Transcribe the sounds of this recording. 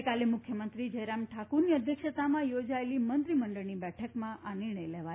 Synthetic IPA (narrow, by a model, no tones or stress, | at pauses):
kalemʊkʰjəmənt̪ɾid͡ʒəɾamʈʰakuɾniəd̪ʱjəkʃət̪amãjod͡ʒaelimənt̪ɾiməɳɖəɭnibɛʈʰəkmãʔanɪɾɳəjlɛʋa